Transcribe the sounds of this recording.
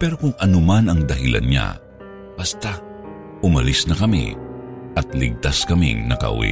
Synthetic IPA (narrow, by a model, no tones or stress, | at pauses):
pɛɾo̞kʊŋʔɐnomanɐŋd̪ɐhɪlʔɐ̰nɲa̰ | b̥ɐst̪a | ʔʊmɐlisnɐkɐmḭ | ʔɐt̪̚lɪɡ̚t̪askɐmḭŋnɐkɐ̰ʔʊ̰wḭ